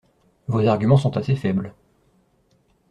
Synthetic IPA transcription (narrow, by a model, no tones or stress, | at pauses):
vozaʁɡʲymɑ̃sɔ̃t̪asefɛbl